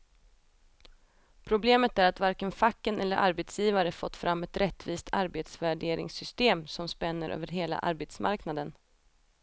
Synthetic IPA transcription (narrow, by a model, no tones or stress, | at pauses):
pʰɾʊbleːmət̪æɾat̪vaɾkənfakːənɛlːəɾʔa̰ɾbeːt̪sjiːvaɾəfɔt̪ːfɾʔamːɛt̪ɾʔɛt̪ːviːst̪ʰaɾbeːt̪svæɖeːɾɪ̰ŋsʏst̪eːmsɔmspɛnːəɾʔø̰ːvəɾɦeːla̰ʔa̰ɾbeːt̪smʔa̰ɾknad̪ən